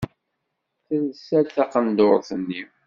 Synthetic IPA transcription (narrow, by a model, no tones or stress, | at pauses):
θæðəsælt̪æqənd̪oɾˤθənːi